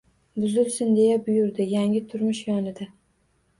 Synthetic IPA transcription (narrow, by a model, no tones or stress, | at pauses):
bʊzɪlsɪnd̪e̞jabʊjʊɾd̪ɪjaŋʲɪt̪ʰʊɾmʊʃjɒnɪd̪a